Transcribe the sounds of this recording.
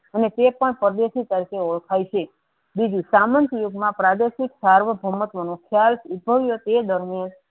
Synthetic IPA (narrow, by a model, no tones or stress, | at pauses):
ənet̪epəɳpəd̪eʃit̪əɾikeɔɭkʰajt͡ʃʰe | bid͡ʒũsamənt̪ijoɡmãpɾad̪eʃiksaɾʋəbʱəmət̪ʋonõkʰjalsubʱəʋjot̪ed̪əɾmjan